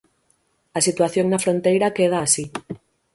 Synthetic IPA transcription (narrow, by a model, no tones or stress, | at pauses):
asit̪waθjoŋnafɾont̪ejɾakeð̞asi